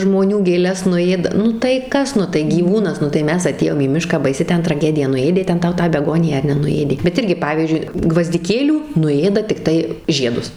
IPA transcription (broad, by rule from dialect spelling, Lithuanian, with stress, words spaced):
ʒmoːˈnʲuː ɡʲeːˈlʲɛs nʊˈeːdɐ ˈnʊ tɐɪ ˈkɐs ˈnʊ tɐɪ ɡʲiːˈʋuːnɐs ˈnʊ tɐɪ ˈmʲɛs ɐˈtʲeːjoːm iː ˈmʲɪʃkɑː bɐɪˈsʲɪ ˈtʲɛn trɐˈɡʲæːdʲɪjɛ nʊˈeːdʲeː ˈtʲɛn ˈtɐʊ tɑː bʲɛˈɡoːnʲɪjæː ɐr nʲɛnʊˈeːdʲeː bʲɛt ˈɪrʲɡʲɪ ˈpɑːʋʲiːzʲd͡ʒʲʊɪ ɡʋɐzʲdʲɪˈkʲeːlʲuː nʊˈeːdɐ tʲɪkˈtɐɪ ˈʒʲiɛdʊs